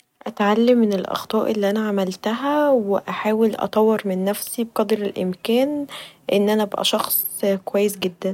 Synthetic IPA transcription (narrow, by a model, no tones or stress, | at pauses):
ʔæt̪ʕalːemːenelʔɑ̰xt̪ˤɑːʔelːiʔænæʕamælt̪æɦæweʔæħaːwelʔɑ̰t̪ˤɑwːeɾmenːæfsibeqɑd̪ɾelʔḛmkæːnʔenːʔænæbæʔæ̰ʃɑxsˤkowæjːes̬ɡed̪ːæn